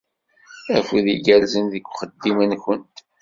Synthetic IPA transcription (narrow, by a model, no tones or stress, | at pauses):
ækʷiðiɡælzənðəkʷːχəd̪ːimənçənt̪